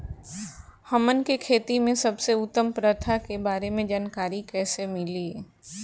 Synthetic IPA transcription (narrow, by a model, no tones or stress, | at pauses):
hɐmənkekʰeːt̪imẽsɐbseʊt̪ːəmpɾət̪ʰakebaːɾemẽd͡ʒaːnkaːɾikɛːsemɪli